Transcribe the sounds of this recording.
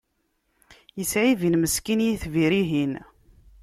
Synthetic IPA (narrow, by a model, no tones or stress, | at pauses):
jəsʕivinməskinjiθviɾiɦin